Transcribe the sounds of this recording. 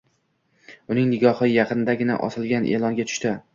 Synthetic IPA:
ʊnɪŋnɪɡʲɒhɨjɑqɨnɪd̪aɡʲɪna̰ʔɒ̰sɪlɡʲanʔelˠɒŋɡʲat̪ʰʊ̥ʃt̪ɪ

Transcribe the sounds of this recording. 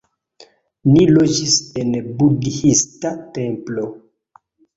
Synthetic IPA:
nilod͡ʒisenbudhistate̞mplo

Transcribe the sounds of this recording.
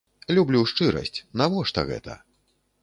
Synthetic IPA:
lʲublʲuʂt͡ʂɨɾɐ̰sʲt͡sʲnavɔʂt̪ɐ̰ɣɛ̰t̪ʰɐ̰

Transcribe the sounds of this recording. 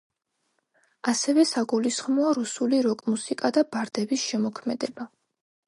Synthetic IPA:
asɛvɛsaɡulisχmɔaɾusuliɾɔkʼmusikʼad̪abaɾd̪ɛbisʃɛmɔkʰmɛd̪ɛba

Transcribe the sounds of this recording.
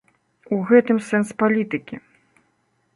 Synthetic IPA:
uɣɛt̪ɨmsɛnspalʲit̪ɨkʲi

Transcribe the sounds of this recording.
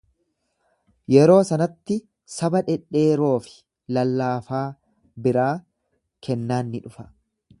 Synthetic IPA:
jɛɾo̞ːsɐnɐt̪ːɪ | sɐbɐᶑɛᶑe̞ːɾo̞ːfɪ̥ | lɐlːaːfaː | bɪɾaː | kʰɛnːaːnːɪᶑʊfɐ̥

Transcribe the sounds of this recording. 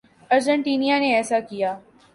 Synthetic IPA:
ɐɾd͡ʒeɳʈiːnijaneɛːsakɪjaː

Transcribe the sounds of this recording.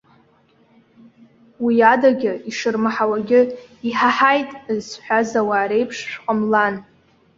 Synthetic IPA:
wiadaɡʲɪiʂɨrmaħawaɡʲɪiħaħajtʼzsħʷᶣazawaːɾe̞jpʰʂʃᶣqʼəmlan

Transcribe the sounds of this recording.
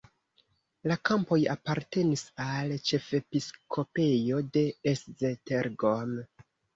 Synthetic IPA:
lakampo̞ja̰paɾte̞nisalt͡ʃe̞fe̞piskʰo̞pe̞jo̞de̞eszeteɾɡom

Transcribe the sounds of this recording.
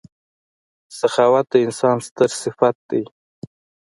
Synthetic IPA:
saxɑwat̪̚d̪əɪnsɑnst̪əɾsɪfat̪̚d̪ej

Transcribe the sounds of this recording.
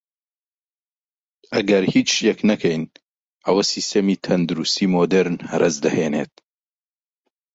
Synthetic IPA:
ʔɐɡɐɾhiːt͡ʃʃjɛknɐkʰɛjn | ʔɐwɐsist̪emit̪ʰɐnd̪uɾust̪iːmoːd̪eɾnhɐɾʔɐzd̪ɐheːnḛːt̪̚

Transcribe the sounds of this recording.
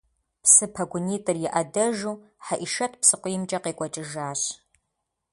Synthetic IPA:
psɨpʰɐɡʷʊniːtʼɨrjɪʔɐdɐʒuːħaʔiʃɐtʰpsɨqʷʊjɪmt͡ʃʼɐqeːkʷʼɔt͡ʃʼɪʒaːɕ

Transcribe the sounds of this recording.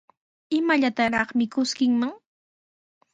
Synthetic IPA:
ɪmaʎat̪aɾɑχmɪkʊskɪŋmaŋ

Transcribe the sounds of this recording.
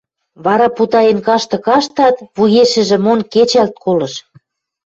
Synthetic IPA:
βɑɾɑput̪ɑjenkɑʃt̪ɤ̆kɑʃt̪ɑt̪βujeʃɘ̆ʒĕmonket͡ɕælt̪̚kʰolɤ̆ʃ

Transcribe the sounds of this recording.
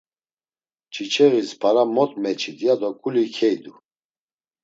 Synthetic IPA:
t͡ʃʰit͡ʃʰʼɛɣispʰaɾamɔt̪ʼmɛt͡ʃʰid̪ijad̪ɔkʼulikʰɛjd̪u

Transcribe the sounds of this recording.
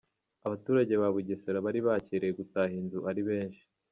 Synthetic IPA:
aβatuːɾaɟe̞βaβuɟeseɾaβaɾiβaciɾejeɡutaːɦinzuʔaɾiβe̞ːnʃi̥

